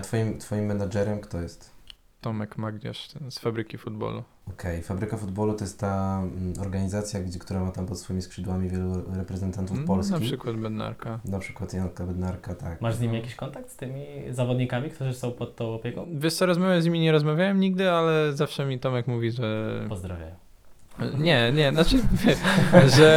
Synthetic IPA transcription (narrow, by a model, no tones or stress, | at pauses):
t̪fɔjimt̪fɔjimːɛnad͡ʐɛɾɛmkt̪ɔjɛst̪ | t̪ɔmɛkmaɡɲa̰ʂt̪ɛsfabɾɘkʲifud̪̚bɔ̰lṵ | ɔkʰɛjfabɾɘkafud̪bɔlut̪ɔjɛst̪t̪aɔɾɡaɲizat̪sʲjaɡd͡ʑɛkt̪uɾamat̪ampɔt̪sfɔjimʲispʂɘd̪wamʲivʲjɛluɾɛpɾɛzɛnt̪ant̪ufpɔlsknapʲiʂɘkwad̪bɛd̪na̰ɾkanapʂɘ̥kwat̪jankabɛd̪naɾkat̪akmaʐzɲimijakʲiɕkɔnt̪ak̚t̪st̪ɘmʲizavɔd̪ɲikamʲik̚t̪uʐɨsɔ̃w̃pɔt̪t̪ːɔ̃w̃ɔpʲjɛkɔ̃w̃vʲjɛʂt̪ɔɾɔzmavʲjamzɲimʲiɲɛɾɔzmavʲjawɛmɲiɡd̪ɘalɛzafʂɛmʲit̪ɔmakmuvʲiʐɛpɔzd̪ɾavʲa̰ | ɲɛɲɛnat͡ʂɘvʲjɛʂʐɛ